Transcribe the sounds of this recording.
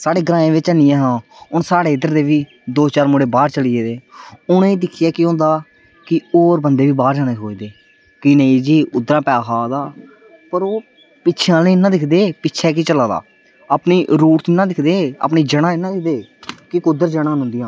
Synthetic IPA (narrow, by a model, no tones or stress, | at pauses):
saːɽeːɡəɾãːẽːʋɪt͡ʃənijãːɦãːʊnsaːɽeːɪd̪əɾd̪eːʋiː | d̪oːt͡ʃaːɾmʊɽeːbaːɾt͡ʃəlieːd̪eːʊnẽːd̪ɪkʰɪjaːkɪɦõːnd̪aː | kɪoːɾbənd̪eːʋiːbaːɾd͡ʒaːnẽːɦoːiːd̪eː | kɪnəĩːd͡ʒiːʊd̪ɾãːpɛːkʰaːd̪aː | pəɾoː | pɪːt͡ʃʰãːnːnãːd̪ɪkʰd̪eːpɪtːʃʰɛːk̬it͡ʃəlaːd̪a̰ː | aːpniːɾuːʈt̪ːnãːd̪ɪkʰd̪eːa̰pniːd͡ʒəɽãːɪnãːd̪ɪkʰd̪eːkɪkʊd̪əɾd͡ʒəɽãːɦʊ̃nd̪ɪjãː